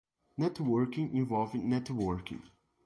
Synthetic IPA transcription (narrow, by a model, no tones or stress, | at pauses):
nɛtwɜɹkɪ̃ŋɪ̃nvɔlˠvɪ̃nːɛtwəɹkɪ̰̃ŋ